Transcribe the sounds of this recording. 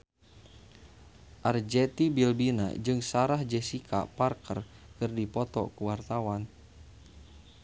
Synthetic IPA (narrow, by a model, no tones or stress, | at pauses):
ʔard͡ʒɛt̪ibilbina̰d͡ʒɨŋsaɾahd͡ʒɛsikʰa̰parkərkɨrdipɔt̪ɔ̰kuwart̪awan